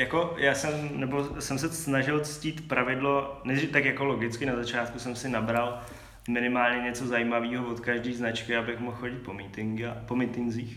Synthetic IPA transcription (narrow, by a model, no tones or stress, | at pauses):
jako̞jaːsɛmnɛbo̞sɛms̬ɛsnaʒɪlt͡sciːt̪pɾavɪdlo̞nɛɪt̪akjako̞lo̞ɡɪt͡skɪnazat͡ʃaːt̪̚kusɛmsɪnabɾal | mɪnɪmaːlɲɛɲɛt͡so̞zajimaviːɦovo̞t̪kaʒdiːznat͡ʃkɪabɪxmoxxo̞ɟɪt̪̚pomiːt̪ɪŋɡapo̞mɪt̪ɪnziːx